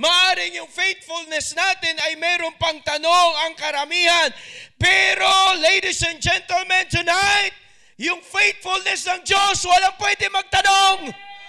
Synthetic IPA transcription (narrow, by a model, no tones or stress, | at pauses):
maʔaːɾɪŋjʊŋfejt̪̚fʊlnɛsnaːt̪ɪnɐjmɛːɾoŋpɐŋt̪ɐnoŋɐŋkɐɾɐmiːhɐnpɛɾolejd̪isɛ̃nd͡ʒɛnt̪ɛlmɛ̃nt̪ʊnajt̪̚ | jʊŋfejt̪̚fʊlnɛsnɐŋd͡ʒoswɐlaŋpwɛd̪ɪmɐɡ̚t̪ɐnoŋ